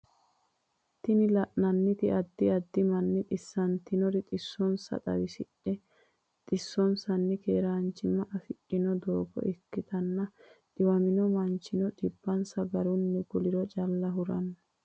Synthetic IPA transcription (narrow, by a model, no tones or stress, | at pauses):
t̪ːɪnɪlɐʔnɐnːɪt̪ɪɐd̪ːɪɐd̪ːɪmɐnːɪt̪ʼɪsːɐnt̪ɪnɔɾɪt̪ʼɪsːɔnsɐ̰t̪ʼɐ̰wɪsɪᶑɛ | t̪ʼɪsːɔnsɐnːɛkeːɾaːnt͡ʃːɪmːɐʔɐfɪt͡ʃːɪnɔd̪oːbɔ̰ʔɛkːɪt̪ɐnːɐᶑɪwɐmɪnɔmɐnt͡ʃːɪnɔᶑɪbːɐnsɐɡɐɾʊnːɛɡʊlɪɾɔt͡ʃʼɐlːɐɦʊɾɐnːɐ